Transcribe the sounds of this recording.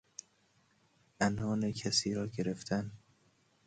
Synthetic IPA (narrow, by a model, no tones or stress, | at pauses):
ʔænɒːnecʰæsiːɾɒːɡe̞ɾe̞ft̪ʰæn